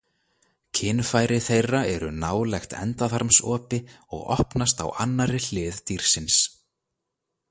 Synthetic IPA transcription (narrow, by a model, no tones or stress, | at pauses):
cʰɪnfajɾɪθejrːaɛɾʏ̰naːwlɛxt̪ɛ̰nt̪aθaɾmsɔːpɪɔ̰ɣɔ̰hpnast̪a̰wa̰nːaɾɪl̥ɪːðt̪iɾ̥sɪns